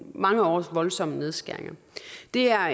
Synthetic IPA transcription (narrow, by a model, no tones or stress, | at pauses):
mɑ̈ŋəɒ̰ːsʋɒ̽lsɒ̽məne̝ð̞ˠsɡ̥æɐeŋɐ | d̥e̝æɐ